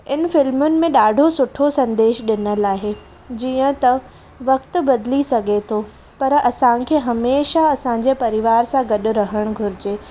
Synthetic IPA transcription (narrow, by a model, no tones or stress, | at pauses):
ɪn̆fɪlmʊnɪ̆mẽɗaːɖʱosʊʈʰosɐ̃nd̪eːʃɗɪnəlaːɦe | d͡ʑiːə̃t̪ɐ | ʋɐk̚t̪ʊ̆bɐd̪ɪlisɐɡʱet̪ʰoː | pɐɾɐsãkʰeːɦɐmeːʃaɐsãɲ̆d͡ʑepɐɾɪʋaːɾsãɡɐɗʊ̆ɾɐɦəɽ̃ɡʱʊɾɪd͡ʑeː